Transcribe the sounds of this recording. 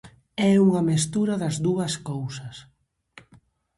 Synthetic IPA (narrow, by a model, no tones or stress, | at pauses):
ɛuŋɐmest̪uɾɐðɐzðuɐskowsɐs